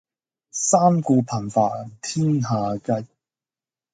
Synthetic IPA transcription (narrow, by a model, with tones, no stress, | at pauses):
saː˥mkuː˧pʰɐ˨˩nfaː˨˩t̪ʰiː˥nɦaː˨˧kɐ˧˥j